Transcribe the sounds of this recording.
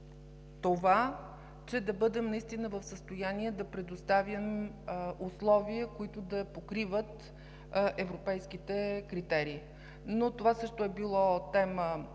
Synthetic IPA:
t̪ova | t͡ʃɛd̪ɐbɤd̪ɛmnɐist̪inəvəfsəst̪ojaniɛd̪ɐpɾɛd̪ost̪avʲjəm | ʊslˠɔviəkoit̪ʊd̪ɐpokɾivət̪ | ʔɛvɾopɛjsk̟it̪ɛkɾit̪ɛɾiː | not̪ovasɤʃt̪oɛbilˠɔt̪ɛmə

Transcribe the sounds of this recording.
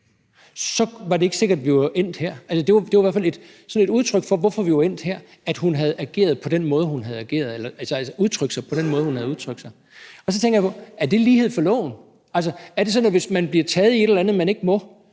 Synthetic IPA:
sɒ̽ʋɑ̈dee̝ɡ̥əse̝ɡ̥ɐd̥ʋiʋɐʔen̰d̥heɐ̰ælsəd̥e̝ʋad̥e̝ʋɑʋæɐfæle̝d̥ | sɒ̽ne̝d̥uðˠt͡sʰʁœɡ̥fɒ̽ʋɒfɒ̽ʋiɑen̰d̥heɐ̰ | æd̥hunɦæð̞̩ˠæɡ̥e̝̰ːɐð̞̩ˠpʰɒ̽d̥en̰mɔːð̞ˠɦunɦæð̞ˠæɡ̥e̝̰ːɐð̞̩ˠelɐælsælsəʔuð̞ˠt͡sʰʁœɡ̥sɑ̈ɪpʰɒ̽d̥enmɔːð̩ˠhunhæð̞̩ˠuð̞ˠt͡sʰʁœɡ̥̚sɑ̈ɪ | ɒ̽s̬ɒt͡sʰeŋɡ̥ɐjpʰɔ̽æɐd̥e̝liːhe̝ð̞̰ˠfɒ̽lɔ̰̽ʊn̩ | ælsəæɐɾ̥e̝sɒ̽næʋe̝smænb̥liɐt͡sʰɛːð̞̩ˠie̝ɾ̥elænð̞̩ˠmæne̝ɡ̥əmɔ̽

